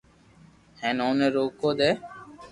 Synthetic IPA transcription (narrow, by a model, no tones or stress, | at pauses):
hɛ̃noneɾokːod̪ɛ